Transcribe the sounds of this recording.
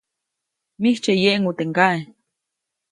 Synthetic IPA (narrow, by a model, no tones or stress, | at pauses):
miht͡ʃejeʔŋut̪eŋkaʔe